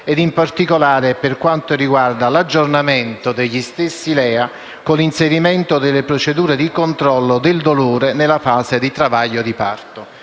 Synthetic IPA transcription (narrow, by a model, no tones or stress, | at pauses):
ɛd̪impart̪ikolaːɾepɪrkwant̪oriɡward̪alad͡ʒːornamɛnt̪od̪eʎːist̪esːilɛːa | kolinseɾimɛnt̪od̪ɪlːepɾot͡ʃed̪uːɾed̪ikont̪ɾɔlːod̪ɪld̪oloːɾenɪlːafaːzed̪it̪ɾavaʎːod̪ipart̪ʊ